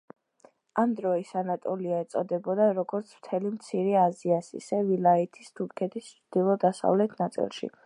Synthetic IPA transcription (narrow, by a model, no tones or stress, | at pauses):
amd̪ɾɔisanat̪ʼɔliaɛt̪sʼɔd̪ɛbɔd̪aɾɔɡɔɾt̪sʰm̥t̪ʰɛlimt̪sʰiɾɛaziasḭsɛvilait̪ʰist̪ʰuɾkʰɛt̪ʰist͡ʃʰd̪̥ilˠɔd̪asa̰vlɛt̪ʰnat̪sʼḭlˠʃḭ